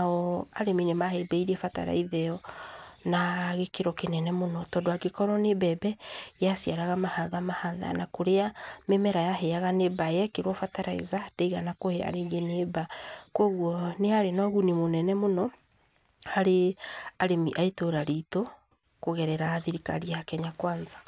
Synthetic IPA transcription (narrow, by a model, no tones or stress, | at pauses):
aɔaɾeminemahebɛiɾɛfata̰ɾa̰iðɛɔnaɣekeɾɔkenɛnɛmonɔtɔːdoaɡekɔɾɔnebɛːbɛjasiaɾaɣamahaðamahaða̰nakoɾeamemɛɾajaɦɛaɣanebajɛkeɾwɔfataɾaḛzad̥eiɣanakohea̰ɾeːŋɡenebakwɔɣwɔneaɾenɔɣunimonɛnɛmonɔ | haɾeaɾemiʔaetoɾaɾito | koɣɛɾɛɾaːðiɾika̰ɾiakɛɲakwaːnza